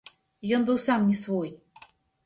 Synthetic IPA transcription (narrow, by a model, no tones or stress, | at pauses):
ijɔnbɘwsamɲʲɛsvuj